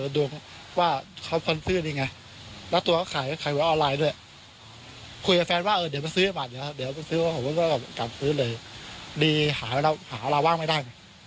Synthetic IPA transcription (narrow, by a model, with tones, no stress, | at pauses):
du˧əŋ | waː˥˩kʰa˦˥wkʰo˧nsɯː˥˩niː˧˩ŋa˧j | lɛ˦˥wt̪u˧ɐka˥˩kʰaː˨˩˦jkʰa˨˩˦jwaː˨˦ʔɔː˧nlaː˧jdu˥˩ə˨j | kʰu˧jka˧˩fɛː˧nwaː˥˩ʔɤː˧di˩˦ma˧nsɯː˦˥˧maː˨˩di˨˩˦di˨˦ɐwma˧nsɯː˧˦˥waː˥˩o˨˦ma˧˩kɔː˥˩ka˨˩˨ka˨˩p̚sɯː˦˥lɤː˧jdiː˧haː˩˦˧a˧whaː˩˦˧la˧waː˥˩ŋma˥˩jda˥˩jna˧˩j